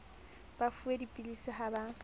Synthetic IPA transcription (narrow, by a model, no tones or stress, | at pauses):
b̥afuedipʼilisɪɦaba